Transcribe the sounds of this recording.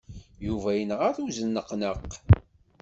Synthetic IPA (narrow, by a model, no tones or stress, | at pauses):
juvæjənʁaθuzənːəqnəqː